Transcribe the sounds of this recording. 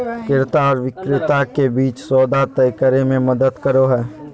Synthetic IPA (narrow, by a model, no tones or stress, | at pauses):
kɪɾt̪aɔːɾʋɪkɾɪt̪akebiːt͡ʃsɔːd̪at̪əjkəɾemẽmɐd̪əd̪kəɾoɦɛː